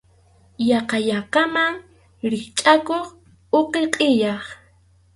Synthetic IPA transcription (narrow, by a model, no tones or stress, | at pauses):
jɑqɑʎɑqɑmaŋ | ɾɪkt͡ʃʼakoχ | oqeqʼɪjɑχ